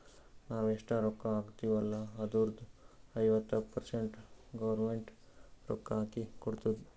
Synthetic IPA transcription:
naːʋeʂʈɐɾokːɐaːɡt̪iʋɐlːɐɐd̪uɾd̪uɐjʋɐt̪ːɐpɐɾseɳʈɡɐʋɐɾmeɳʈ | ɾɔ̰kːɐaːkikɔɽt̪ud̪i

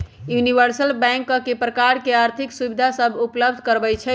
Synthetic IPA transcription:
juniʋəɾsəlbɛ̃ŋkːəkepɾəkaɾkeaɾt̪ʰiksubid̪ʱasəbʱupləb̚d̪ʱkəɾbɛt͡ʃʰɛ

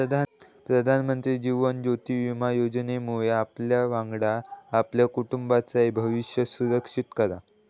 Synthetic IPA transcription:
əd̪ʱa | pɾəd̪ʱanmənt̪ɾiːd͡ʑiʋənd͡ʑot̪iːʋimajod͡ʑnemuɭeapljaʋãŋɡɽaːpljakuʈumbat͡saebʱəʋiɕjəsuɾəkʂit̪kəɾa̰

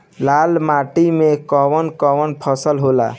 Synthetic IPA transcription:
lalmaʈimekɔwənkɔʋənpʰəsəlɦola̰

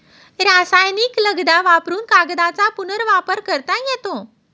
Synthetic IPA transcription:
ɾasajnikləɡd̪aʋapɾuːnkaɡd̪at͡sapunəɾʋapəɾkəɾt̪ajɛt̪õ

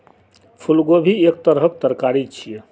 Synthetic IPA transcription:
pʰulɡobʱiek̚t̪əɾɦəkt̪əɾkaɾit͡ʃʰijɛ

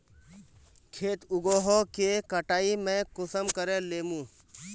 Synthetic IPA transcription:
kʰeːt̪ʊɡoːɦokekəʈaːimɛ̃ːkʊsəmkəɾẽleːmũː

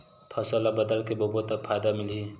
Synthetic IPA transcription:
pʰɐsəlabɐd̪əlkebobot̪ɐpʰajd̪amɪlɦi

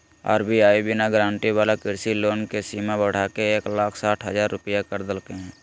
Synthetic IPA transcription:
a̰ːɾbʱiaːibɪnaɡɾãːɳʈiwaːlakɪɾsiloːnkesiːmabəɽ̤aːkeeːklaːkʰsaːʈʰɦəzaːɾːʊpɪjakəɾd̪əlkeɦɛ̃ː

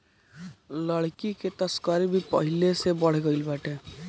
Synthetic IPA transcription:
ləɽkiket̪əskəɾibʱipəɦilesebʌɽ̤eɡʌilbaʈe

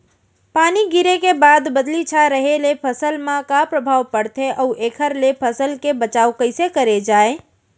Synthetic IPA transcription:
paːniɡiɾekebaːd̪bəd̪lit͡ʃʰaɾəɦelepʰəsəlmãkapɾəbʱaːwpəɽt̪ʰeʔəuʔeːkʰəɾlepʰəsəlkebət͡ʃaːukəɪsekəɾed͡ʒaːe

